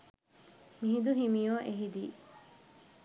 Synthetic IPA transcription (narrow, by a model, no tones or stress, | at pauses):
miɦid̪uɦimijoːʔeɦid̪iː